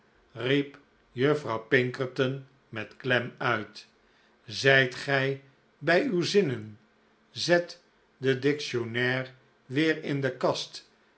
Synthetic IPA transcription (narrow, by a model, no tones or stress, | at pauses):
rip | jøfrɑwpɪŋkəɹtən | mɛtklɛmœɥt | zɛjtχɛj | bɛjywzɪnən | zɛt | dədɪkʃonɛːr | ʋɪːɹɪndəkɑst